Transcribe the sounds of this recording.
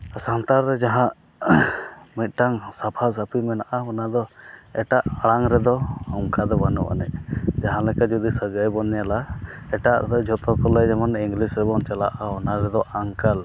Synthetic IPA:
sant̪aɾɾɛd͡ʒaɦãʔ | mit̪̚ˀʈaŋsapʰas̬apimɛnaʔamɔnad̪ɔɛʈaʔaɽaŋɾɛd̪ɔɔŋkad̪ɔbanṵʔa̰nɛ̰ʔ̚d͡ʒaɦãlɛkad͡ʒɔd̪isəɡajbɔnjalaɛʈaʔd̪ɔd͡ʒʱɔt̪ɔkɔlɛd͡ʒamaniŋɡlisɾɛbɔnt͡ʃalaʔaɔnaɾɛd̪ɔʔaŋkal

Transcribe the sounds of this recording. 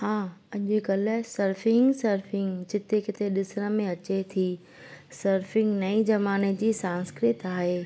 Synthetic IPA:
hãːɐʄʊkɐlsɐɾfɪŋɡsɐɾfɪ̃ŋɡd͡ʑɪt̪ekɪt̪ʰeɗɪsəɽ̃ə̆mẽɐt͡ɕet̪ʰi | sɐɾfɪ̃ŋɡnɐid͡ʑɐmaːned͡ʑiːsãːnskɾɪt̪aːɦeː

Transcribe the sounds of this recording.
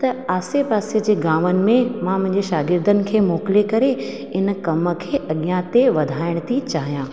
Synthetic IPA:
t̪ɐaːsepaːsiəd͡ʑeːɡãːʋənɪ̆mẽmãmʊ̃ɦɪ̃ɲd͡ʑeʃaːɡɪɾd̪ʱənɪ̆kʰeːmoːkɪlekɐɾe | ɪnkɐmə̆kʰeːʔɐɠijãt̪eʋɐd̪ʱaːɪɽ̃t̪ʰit͡ɕaːɦijãː

